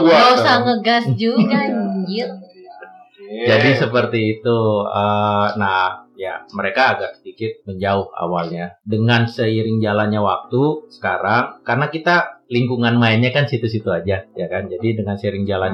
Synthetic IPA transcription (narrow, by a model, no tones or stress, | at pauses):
uaosaŋəɡasd͡ʒuɡad͡ʒi | d͡ʒadisəpərt̪iːt̪uənaja̰məɾekaːɡarsədikɪt̪̚məɲd͡ʒaʊha̰walɲadəŋansəiɾɪŋd͡ʒalanɲawa̰k̚t̪usə̥kaɾaŋkarnakit̪aliŋkuŋanmaɪnɲakansit̪us̬it̪uad͡ʒajakand͡ʒadidəŋansəiɾɪŋd͡ʒalan